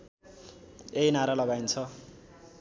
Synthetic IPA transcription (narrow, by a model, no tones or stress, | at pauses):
ejnaɾalʌɡajnt͡sʰʌ